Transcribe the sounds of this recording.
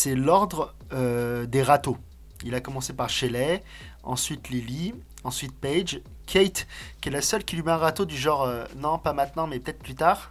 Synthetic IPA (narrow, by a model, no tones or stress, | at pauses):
sɛlɔʁd̪ʁ | ød̪eʁat̪o | ilakɔmɑ̃sepaʁʃelɛ | ɑ̰̃sɥit̪lili | ɑ̃sɥit̪̚pɛd͡ʒ | kʰʲɛjt̪kʲɛlasœlkʲilyimɛɛ̃ʁat̪od̪yʒɑ̃ʁønɔ̃pamɛ̃t̪nɑ̃mɛpət̪ɛt̪plyt̪aːʁ